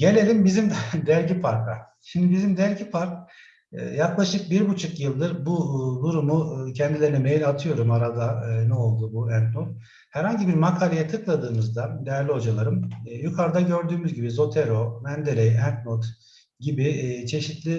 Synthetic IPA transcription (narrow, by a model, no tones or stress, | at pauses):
ɟe̞lʲe̞lʲimbizimd̪d̪æɾɟipʰaɾkʰa̰ | ʃimd̪ibizimd̪æɾɟipʰaɾk̚ː | jaklˠaʃɯk̚biɾbut͡ʃʰukjɯlˠd̪ɯɾbud̪uɾumucʰɛnd̪ilʲe̞ɾinɛmejlʲat̪ʰɯjo̞ɾumaɾad̪anɛo̞lˠd̪ubuænt̪not̪ | hæɾhaɲɟibiɾmakʰaːlʲejɛt̪ʰɯklˠad̪ɯːmɯzd̪ad̪ejæɾlʲio̞d͡ʒalˠaɾɯmːjykʰaɾd̪aɟø̞ɾd̪yːmyzɟibizo̞t̪ʰeɾo̞mænd̪elʲejænt̪not̪ | ɟibit͡ʃʰe̞ʃit̪lʲi